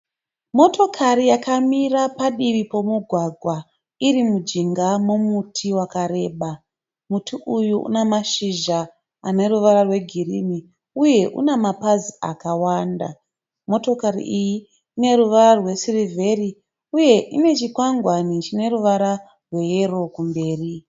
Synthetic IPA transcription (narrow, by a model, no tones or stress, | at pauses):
mo̞to̞kʰaɾijakamirapaɗiʋipo̞muɡʱwaɡʱwa | iɾimud͡ʒiŋɡamomutʰiwakaɾe̞ːɓa | mutʰiʔujuṵnemaʃiʒa | a̰ne̞ruʋaɾarwe̞ɡʱirini | uje̞ʔṵnemapaziakawanda̰ | mo̞to̞karḭʔiji | ine̞ruʋaɾarwe̞sirivʱe̞ri | uje̞ʔine̞t͡ʃikwaŋɡwanit͡ʃine̞ruʋaɾa | rwe̞jero̞kumbe̞ːri